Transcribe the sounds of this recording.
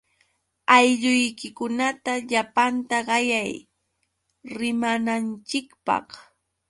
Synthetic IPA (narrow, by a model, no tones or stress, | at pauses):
ajʎʊjkɪkʊnat̪aʎapant̪aɢɑjaj | ɾɪmanant͡ʃɪkpɑ̰χ